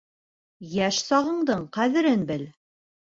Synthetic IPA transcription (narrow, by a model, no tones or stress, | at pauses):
jæʃsɑʁɤ̆ɴd̪ɤɴqæðɘ̆ɾɘnbɘl